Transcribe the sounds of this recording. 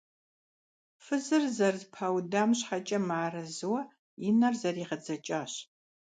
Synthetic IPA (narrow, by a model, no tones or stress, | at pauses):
fɨzɨrzɐrzpʰaːwdaːmɕħat͡ʃʼɐmaːrɐzɨwɐ | ɪnɐrzɐriːʁɐd͡zɐt͡ʃʼaːɕ